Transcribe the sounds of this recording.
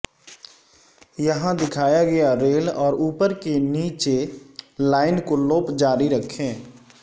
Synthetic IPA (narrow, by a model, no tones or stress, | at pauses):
jəɦãd̪ɪkʰaːjaɡɐjaɾeːlɔːɾuːpəɾkeniːt͡ʃelaːɪnkoloːpd͡ʒaːɾiɾəkʰẽː